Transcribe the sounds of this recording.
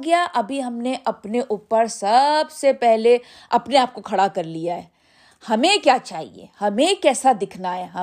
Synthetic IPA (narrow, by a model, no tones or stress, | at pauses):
ɡɪjaʔɐbʱiɦɐmneʔɐpneʔuːpəɾsɐbsepɛɦle | ɐpneaːp̚kokʰɐɽakɐɾlijaɦɛː | hɐmẽkjaːt͡ʃaːɦḭḛːhɐmẽkɛːsad̪ɪkʰnaɦɛɦɐ